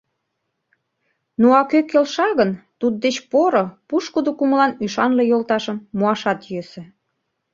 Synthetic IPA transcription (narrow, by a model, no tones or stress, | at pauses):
noɑkøkːelʃɑɣənt̪ud̪̚d̪et͡ɕpoɾopuʃkud̪okuməlɑnyʃɑnlejolt̪ɑʃəmːuɑʃɑt̪jøsĕ